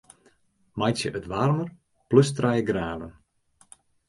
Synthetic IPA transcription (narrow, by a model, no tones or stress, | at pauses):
majsjəʔətʋarmər | pløstrajəɡraːvən